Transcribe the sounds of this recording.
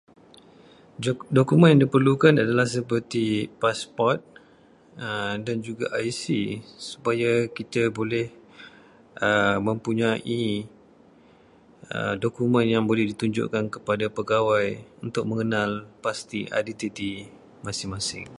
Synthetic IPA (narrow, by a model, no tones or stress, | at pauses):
dokumə̃njãŋdipərlukanadalahsəpərt̪ipaspɔrt̪̚ | ədand͡ʒuɡa̰ʔajsisu̥pajakit̪abolɛh | ʔəmə̃mpuɲaʔi | ə̰dokumə̃njaŋbolɛhdit̪uɲd͡ʒʊ̰ʔkankəpadapəɡawajunt̪ʊk̚mə̃ŋənalpast̪iʔa̰dit̪it̪i | masɪŋmasɪ̰ŋ